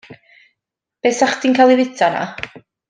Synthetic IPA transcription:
b̥ɛsaχd̥iːnkʰalˠivɪtʰana̰

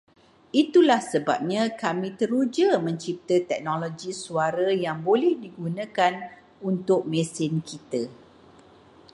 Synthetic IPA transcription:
it̪ulahsəba̰p̚ɲãkamĩt̪əɾud͡ʒəmə̃ɲt͡ʃip̚t̪ət̪ɛk̚noloɡisuaɾajaŋbolɛhdiɡunə̃kan | unt̪ʊk̚mɛ̃sɪnkit̪ə

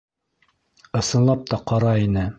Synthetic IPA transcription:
ɤ̆sɤ̆nlˠɑp̚t̪ɑqɑɾɑinɘ

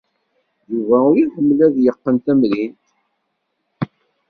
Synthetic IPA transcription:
juvæuɾihəmːlæðjəqːənt̪æmɾint̪

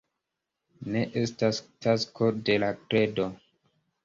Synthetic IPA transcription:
ne̞ʔe̞stastaskʰo̞de̞lakɾe̞do̞

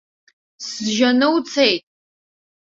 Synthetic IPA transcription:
sʒɐnɨwt͡sʰejtʼ

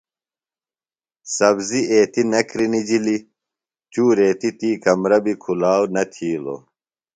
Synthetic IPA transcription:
sɐbziʔeːt̪inɐkɾinid͡ʑili | t͡ɕuːɾeːt̪it̪iːkɐmɾɐbikʰulaːwnɐt̪ʰiːlo̰ː

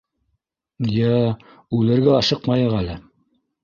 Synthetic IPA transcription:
jæ | ʉlɘ̆ɾɡæɑʃɤqmɑjɤʁælɘ

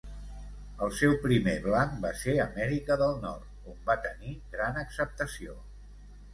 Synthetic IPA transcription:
əlˠsɛwpɾimeβlaŋbaseəmɛɾikəðəlˠnɔ̰rt̪̚ombat̪əniɣɾanəksəp̚t̪əsio

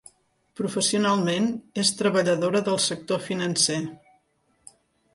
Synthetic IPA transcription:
pɾufəsiunalˠmenest̪ɾəβəʎəðoɾəðəlˠsək̚t̪ofinənse

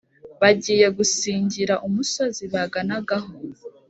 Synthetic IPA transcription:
βaɟiːje̞ɡusiːɲɟiɾaʔumuso̞ziβaɡanaɡaɦo

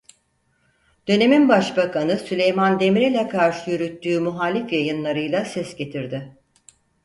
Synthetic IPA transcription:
d̪̥ø̞ne̞minbaʃbakʰanɯsylʲe̞jmand̪e̞mɾilʲɛkʰaɾʃɯjyɾyt̪ːyːmuɦaːlʲifjajɯnlˠaɾɯjlˠasɛsɟe̞t̪ʰiɾd̪ɪ

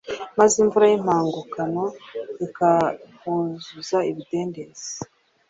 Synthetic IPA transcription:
maziɱvuɾajim̥aːŋɡukano̞ikahuzuzaiβide̞ːndez̥e

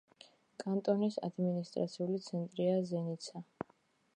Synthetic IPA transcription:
kʼant̪ʼɔnisa̰d̪minist̪ʼɾa̰t̪sʰiulit̪sʰɛnt̪ʼɾiazɛnit̪sʰa

